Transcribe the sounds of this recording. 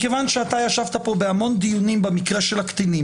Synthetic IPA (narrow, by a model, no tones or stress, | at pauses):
ke̞vanʃeat̪ajaʃavt̪apo̞be̞amo̞nd̪ijunimbemikʁe̞ʃelakt̪inim